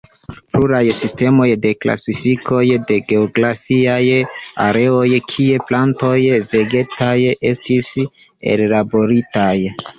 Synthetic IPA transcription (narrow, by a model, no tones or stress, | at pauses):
pluɾajsiste̞mo̞jde̞kla̰sifikʰo̞jde̞ɡe̞oɡɾafiajaɾe̞o̞jkʰie̞planto̞jve̞ɡe̞taje̞stis | e̞̰llabo̞ɾitaj